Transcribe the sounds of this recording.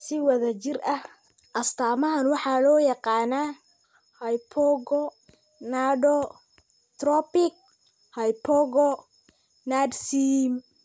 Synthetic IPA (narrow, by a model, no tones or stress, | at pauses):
sɪwɐðɐt͡ʃɪrɐh | ʔɐst̪ʰaːmɐɦɐnwɑħɑːlɔːjɑqɑːnaː | hɐjpʰɔɡɔ | naːɖɔ | t̪rɔpɪk̚ | hɐjpʰɔɣɔ | naːdsim